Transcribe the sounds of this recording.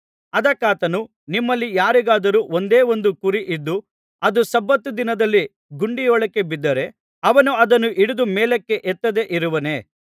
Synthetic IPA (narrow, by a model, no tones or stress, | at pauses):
ɐd̪ɐkːaːt̪ɐnu | nimːɐlːijaːɾiɡaːd̪ɐɾuːond̪e̞ːo̞nd̪ukuɾiʔid̪ːu | ɐd̪usɐbːɐt̪ːud̪inɐd̪ɐlːi | ɡuɳɖijɔːɭɐkːe̞bid̪ːɐɾe̞ | ɐʋɐnuɐd̪ɐnuʔiɽud̪umeːlekːe̞ʔɛt̪ːɐd̪e̞ʔiɾuʋɐne̞ː